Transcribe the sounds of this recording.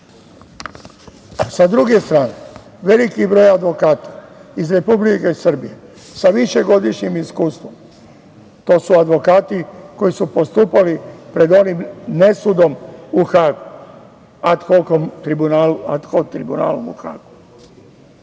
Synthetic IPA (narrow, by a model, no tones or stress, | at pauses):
sad̪ɾuɡe̞st̪ɾaːne | ʋe̞likibɾo̞ːjad̪ʋo̞kaːt̪ḁizɾe̞publike̞isr̩bije̞ | saʋiʃeɡo̞d̪iʃɲimiskuːst̪ʋo̞m | t̪o̞ːsuad̪ʋo̞kaːt̪iko̞jisupo̞st̪uːpalipɾe̞d̪o̞nimne̞sud̪o̞muxaːɡu | at̪xokomt̪ɾibunaːluat̪xot̪ɾibuna̰ːlumṵxa̰ːɡu